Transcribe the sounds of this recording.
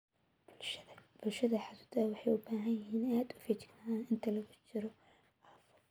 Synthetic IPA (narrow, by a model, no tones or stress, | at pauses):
bb̥ʊlʃɐðɐħɑsud̪ɐwɑħɑjʊbaːɦɐnjɐɦiːnaːd̪ʊ̥fit͡ʃɪ̥ɡnaːaːnɪnt̪ʰɐlɐɣʊt͡ʃɪɾɔ | ʔɐːfʊ